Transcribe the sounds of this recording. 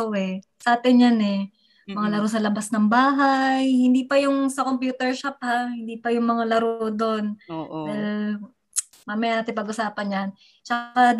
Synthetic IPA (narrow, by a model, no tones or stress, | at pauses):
oɛsɐʔaːt̪ɪnjanɛ | mɐŋalɐɾosɐlɐbasnɐŋbaːɦajhɪnd̪iːpɐjʊŋsɐko̞mpjuːt̪ɛɹʃap̚hahɪnd̪iːpɐjʊŋmɐŋalɐɾod̪ond̪al | mamɐjaːt̪ɪpɐɡʔʊsaːpɐnjan | t͡ʃɐkad̪